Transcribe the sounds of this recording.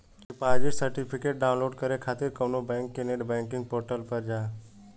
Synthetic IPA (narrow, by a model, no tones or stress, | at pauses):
epaːd͡ʒɪsəɾʈipʰɪkeːʈ̚ɖaːʊnloːɖkəɾekʰaːt̪ɪɾkəʋnobɛ̃ːŋkːeneɖbɛ̃ːŋkɪ̃ŋɡ̚poːɾʈəlpəɾd͡ʒaː